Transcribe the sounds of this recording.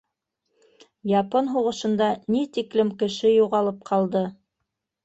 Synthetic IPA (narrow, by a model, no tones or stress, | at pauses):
jɑponɦuʁɤ̆ʃɤ̆nd̪ɑnit̪iklɘmkɘ̆ʃɘjuʁɑlˠɤp̚qʰɑlˠd̪ɤ